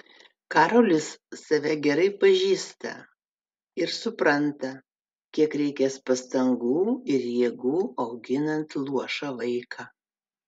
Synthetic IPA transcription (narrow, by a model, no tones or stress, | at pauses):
kɑːɾoːlʲɪsːɐʋʲɛɡʲɛɾɐɪpɐʒʲiːst̪ɐ̰ | ɪɾsʊpɾɐnt̪ɐ | kʲiɛkɾʲɛɪkʲɛspɐst̪ɐŋɡuːɪɾjiɛɡuːɐʊɡʲɪnɐnt̪lˠuɔʃɑʋɐɪkʰɑː